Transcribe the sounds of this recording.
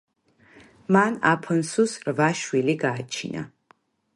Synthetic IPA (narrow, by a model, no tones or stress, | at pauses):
mana̰pʰɔnsusɾvaʃwiliɡaːt͡ʃʰḭna̰